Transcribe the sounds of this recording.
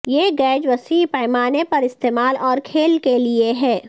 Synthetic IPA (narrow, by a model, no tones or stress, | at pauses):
jeːɡɛːd͡ʒʋɐsiːpɐɪmaːnepɐɾɪst̪eːmaːlɔːɾkʰeːlkelieɦɛː